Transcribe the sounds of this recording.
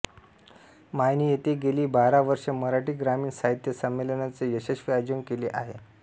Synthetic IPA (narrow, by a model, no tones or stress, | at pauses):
majniːjet̪eɡeliːbaɾaʋəɾʂəməɾaʈiːɡɾamiːɳsaɦit̪jəsəmːelənat͡sejəɕəɕʋiad͡ʑəŋkeleʔaɦe